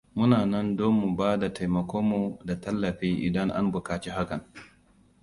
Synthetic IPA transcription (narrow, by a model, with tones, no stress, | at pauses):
mʊ˦naː˨nɐ˦ndoː˦mːu˨baː˦da˨ta˨jmɐ˨kʷoː˦mu˨da˨tɐ˦lːɐ˨ɸi˦ʔɪ̰˨dɐ˦ŋʔa̰˦mbʊ˨kaː˨t͡ʃi˦ɦa˦kɐ˨n